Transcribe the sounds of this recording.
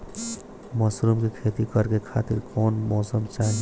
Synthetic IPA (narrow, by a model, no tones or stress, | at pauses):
mɔsɾumkikʰeːt̪ikəɾkekʰaːt̪iɾkɔːnmɔːsəmt͡ʃaː